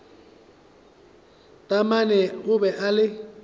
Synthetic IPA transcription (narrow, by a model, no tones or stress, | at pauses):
tʼamanɛʊbɛʔalɪ